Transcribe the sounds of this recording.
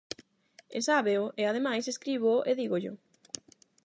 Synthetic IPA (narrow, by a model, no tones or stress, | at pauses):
ḛsaβeʊʔeað̞emajseskɾiβoʔeðiɣoʎʊ̰